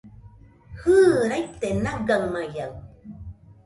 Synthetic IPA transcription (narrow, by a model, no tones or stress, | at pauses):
hɯːɾajt̪enaɡaŋmajaw